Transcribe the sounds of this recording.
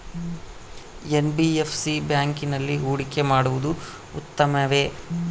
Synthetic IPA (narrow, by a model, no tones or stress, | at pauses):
enbiepʰsibjaːŋkinɐlːiɦuːɽike̞maːɽuʋud̪u | ṵt̪ːɐmɐʋe̞